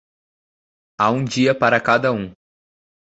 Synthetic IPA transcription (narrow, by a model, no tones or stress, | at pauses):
aũd͡ʒiɐpaɾɐkad̪ɐũ